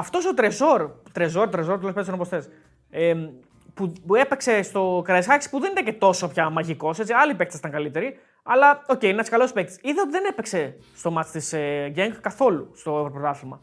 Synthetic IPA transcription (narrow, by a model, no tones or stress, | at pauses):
ɐft̪o̞sot̪ɾezo̞ɾt̪ɾezo̞ɾt̪ɾezoɾt̪elospesonopost̪es | e | pue̞pekse̞st̪o̞kɾɐsxɐksi̥puðenit̪ɐcet̪o̞sopçɐmɐʝiko̞se̞t͡siɐlipekt̪si̥t̪ɐŋkɐlit̪e̞ɾi | ɐlɐo̞ceiinenɐskɐlospek̚t̪i̥siðeo̞t̪iðe̞ne̞pekse̞ | st̪o̞mɐt͡st̪isʝeŋɡkːɐθo̞lust̪o̞evɾopɾt̪ɐθilmɐ